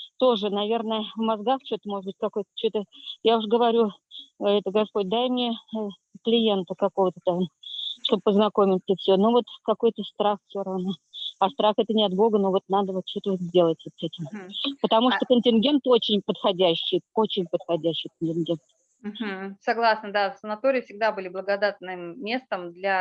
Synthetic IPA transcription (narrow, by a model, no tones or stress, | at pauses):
t̪o̞ʐɨnɐvʲe̞rnəjəvmɐzɡaxt͡ɕot̪əmo̞ʐəd̪bɨtʲkɐko̞jt̪ə̥t͡ɕot̪əjaʊʂɡəvɐɾʲu | ɛt̪əɡɐspo̞t̚ʲd̪ajmnʲe | klʲɪje̞nt̪əkɐko̞vət̪ət̪amʂt̪o̞bəpəznɐkomʲɪt̪ʲsəfsʲonuvo̞t̪kɐko̞jt̪əst̪ɾaxfʲsʲoɾɐvnoɐst̪ɾaxɛt̪ənʲɪɐt̪bo̞ɡənovo̞t̪nad̪əvot̪̚t͡ɕo̞t̪əvot̪zʲdʲe̞lˠətʲvot̪sɛtʲɪmpət̪ɐmuʂt̪okənʲtʲɪnɡʲent̪o̞t͡ɕɪnʲpət̪xɐdʲæɕːɪjot͡ɕɪnʲpət̪xɐdʲæɕːɪjkənʲtʲɪnɡʲe̞nt̪ | m̩m̩sɐɡlˠasnəd̪asənɐt̪oɾʲɪjfsʲɪɡ̚d̪abɨlʲɪblˠəɡɐd̪at̪nɨmːʲest̪əmd̪lʲa